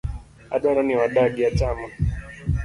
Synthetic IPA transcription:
a̰ɗaɾaniwaɗaɡiat͡ʃama

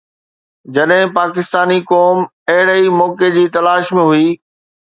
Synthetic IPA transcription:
d͡ʑɐɗɦɪ̃paːkɪst̪aːnikɔːm | ɐɦɪɽəimɔːked͡ʑiːt̪ɐlaːʃmẽɦʊiː

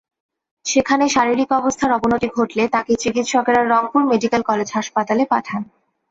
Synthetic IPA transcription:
ʃekʰaneʃaɾiɾikɔbost̪ʰaɾɔbonot̪iɡʱoʈlet̪aket͡ɕikit̪ʃɔkeɾaɾːɔŋpuɾmeɖikelkɔled͡ʑɦaʃpat̪alepaʈʰan

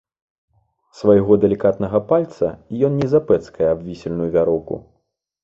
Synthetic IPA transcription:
svajɣɔd̪ɛlʲikat̪nɐɣɐpalʲt̪sɐijɔnnʲɛzapɛt̪skɐjɛabvʲisʲɛlʲnujuvʲaɾɔwkṵ

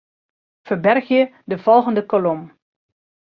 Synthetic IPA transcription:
fərbɛrxjə | dəv̥ɔlˠɣəndəkolɔm

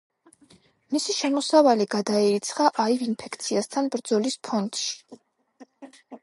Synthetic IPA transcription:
misiʃɛmɔsavaliɡad̪aɛɾit̪sʰχaʔaivinpʰɛkʰt̪sʰiast̪ʰanbɾd̪zɔlispʰɔnt̪ʃi̥

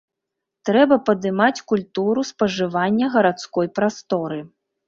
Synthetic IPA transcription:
t̪ɾɛbɐpɐd̪ɨmat͡sʲkulʲt̪uɾuspɐʐɨvanʲːɐɣɐɾat̪skɔjpɾast̪ɔɾɨ

